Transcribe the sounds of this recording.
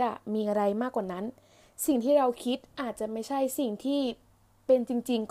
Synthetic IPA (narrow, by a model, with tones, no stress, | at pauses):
a˨˩miː˧ʔa˧ɾa˧jmaː˥˩kːwaː˨˩na˦˥n | si˨˩ŋt̪ʰiː˥˩ɾa˧wkʰi˦˥t̪̚ʔaː˨˩t̪̚t͡ɕa˨˩ma˥˩jt͡ɕʰa˥˩jsi˨˩ŋt̪ʰiː˥˩ | pe˧nt͡ɕi˧ŋt͡ɕi˧ŋk